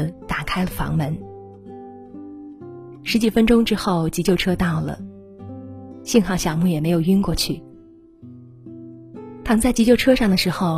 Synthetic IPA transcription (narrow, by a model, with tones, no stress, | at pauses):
t̪a˨˩kʰa˥ɪlə˨fɑ̰˧˥ŋmə˧˥n | ʂɻ̩˧˥t͡ɕi˨˩fə˥nʈ͡ʂʊ˥ŋʈ͡ʂɻ̩˥xo˥˩ʊt͡ɕi˧˥t͡ɕjo˥˩ʊʈ͡ʂʰɤ˥t̪ɑ˥˩ʊlə̰˩ | ɕi˥˧nxɑ˥˩ŋɕjɑ˨˩ŋmu˥˩jɛ˨˩me˧˥ɪjo˨˩ʊy˥nkwɔ˥˧t͡ɕʰy˥˩ | t̪ʰa˥mə˧nt͡sa˥˩t͡ɕi˧˥t͡ɕjo˥˩ʊʈ͡ʂʰɤ˥ʂɑ˥˩ŋd̪ə˩ʂɻ̩˧˥xo˥˧ʊ